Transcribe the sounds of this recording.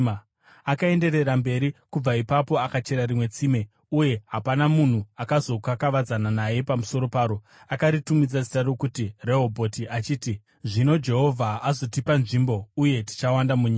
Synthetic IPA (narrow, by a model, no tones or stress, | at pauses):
akae̞nde̞ɾe̞rambe̞ɾikub͡vaipapo̞akat͡ʃe̞ɾaɾimwe̞t͡siːme̞ | uje̞ɦapanamun̤uakazo̞kakaʋad͡zananaje̞pamuso̞ɾo̞paːɾo̞ | akaɾitumid͡zasi̥tarokutire̞ɦo̞bʱo̞tiʔat͡ʃiːti | ʐino̞d͡ʒe̞ɦo̞vʱaazo̞tipanʐimbo̞uje̞ti̥t͡ʃawandamuɲiːa